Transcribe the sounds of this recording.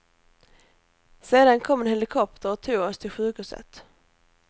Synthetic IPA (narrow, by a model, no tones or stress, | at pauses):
seːd̪ankʰɔmːɛnhɛlɪkʰɔp̚t̪ʰəɾɔt̪ʰuːɡɔst̪ʰɪlɧʉ̟ːkhʉːsə̰t̪